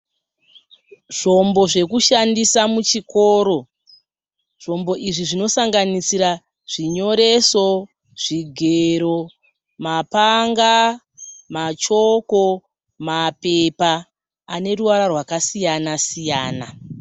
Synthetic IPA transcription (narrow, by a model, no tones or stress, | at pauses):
ʐ̥o̞mbo̞ʐe̞kuʃandisamut͡ʃiko̞ːɾo̞ | ʐ̥o̞mbo̞ʔiʐiʐino̞saŋɡanisiɾa | ʐ̥iɲo̞ɾe̞so̞ | ʐ̥iɡʱeɾo̞ | mapaŋɡa | mat͡ʃo̞ko̞ | mape̞paː | ne̞ruʋaɾarwakasijanasijaːna